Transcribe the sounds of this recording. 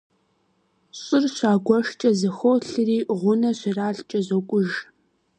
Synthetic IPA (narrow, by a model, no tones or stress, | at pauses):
ɕʼɪrɕʷaːɡʷɔʂt͡ʃʼɐzɐxoːɬɨriːʁʷʊnɐɕɪraːɬt͡ʃʼɐzɐkʷʼʊʒ